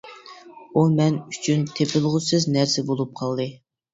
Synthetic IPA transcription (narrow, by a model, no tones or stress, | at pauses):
umɛnyt͡ʃʰynt̪ʰepʰɪlˠʁʊsɨznæɾsɛbolˠup̚qʰɑlˠd̪ɨ